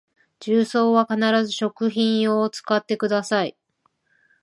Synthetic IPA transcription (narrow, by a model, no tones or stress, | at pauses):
d͡ʑɨːso̞ːβakanaɾazɨɕo̞kɯ̟çĩɰ̃ot͡sɨ̥kat̪ːe̞kɯ̟d̪asai